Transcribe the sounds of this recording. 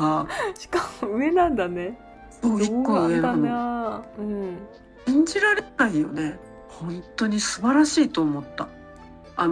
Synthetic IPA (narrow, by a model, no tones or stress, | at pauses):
aɕi̥kamoɯ̟e̞nãnd̪ane | oikːoɯanaɯ̟̃ɴ | ĩɲ̟d͡ʑiɾaɾenaijo̞̰ne̞ | hõ̞nt̪o̞ɲ̟isɨbaɾaɕiːt̪o̞ːmo̞t̪ːa | an